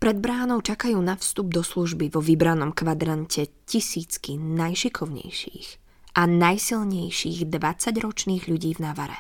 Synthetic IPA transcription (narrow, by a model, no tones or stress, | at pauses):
pɾɛd̪̚bɾaːnɔʊt͡ʃakajuːnafst̪ub̚d̪ɔsluʒbiʋɔʋibɾanɔmkʋad̪ɾancɛcisiːt͡skinajʃikʰɔʊɲɛ̰jʃḭːɣ | ʔanajsilˠɲɛjʃiːɣd̪ʋat͡saɟɾɔt͡ʃniːɣʎuɟiːvnaʋaɾɛ̰